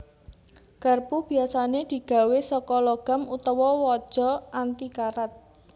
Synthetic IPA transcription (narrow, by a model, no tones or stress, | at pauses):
ɡ̥arpub̥i̤asaned̪̥i̤ɡ̥ä̤wesɔkɔlɔɡ̥a̤mut̪ɔwɔwɔd̥ʒ̥ɔ̤ant̪ikaɾat̪̚